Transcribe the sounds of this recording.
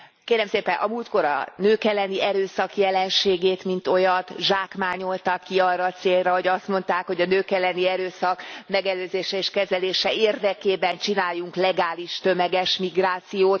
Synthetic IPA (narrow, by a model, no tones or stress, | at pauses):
keːɾɛmseːpɛnʔɒ̰muːlt̪ko̞ɾɒ̰nøːkɛlːɛniʔɛɾøːsɒkjɛlɛnʃeːɡeːt̪mint̪o̞jɒt̪ʒaːkmaːɲo̞lt̪ɒkːiɒrːɒːt̪seːlrɛɦo̞ɟɒst̪mo̞nt̪aːkho̞ɟɒnøːkɛlːɛniɛɾøːsɒkmɛɡɛløːzeːʃɛeːʃkɛzɛleːʃɛeːrd̪ɛkeːbɛnt͡ʃinaːjːuŋklɛɡaːliʃt̪ømɛɡɛʃmiɡraːt̪sijoːt̪